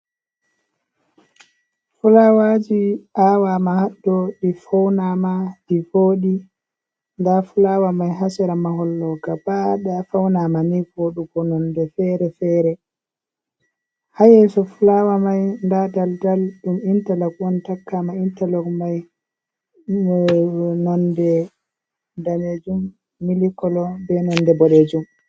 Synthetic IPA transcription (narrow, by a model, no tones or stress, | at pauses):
fulawad͡ʒiawamahaɗːɔɗifawnamaɗivoːɗi | ndafulawamajɦasɛɾamaɦɔlːɔɡabaɗafawnamanivoɗuɡɔnɔndɛfɛɾɛfɛːɾɛ | hajɛsɔfulawamajndadaldalɗumintalakwɔntakːamaintalɔkmaj | nɔndɛ | damed͡ʒumː | ilikɔlɔbɛnɔndɛbɔɗed͡ʒum